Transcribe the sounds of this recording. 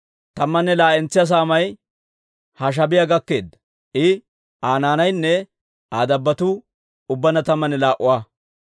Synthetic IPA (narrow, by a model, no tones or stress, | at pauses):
t̪ɐmːɐnːɛlaːʔɛnt͡sːɪjɐs̬aːmɐj | hɐʃ̬ɐbɪjaɡɐkːe̞ːd̪ːɐ̥ | ʔɪ | ʔaːnaːnɐjnːɛ | aːd̪ɐbːɐt̪ʊ | ʊbːɐnɐt̪ɐmːɐnɛlaːʔʊwaː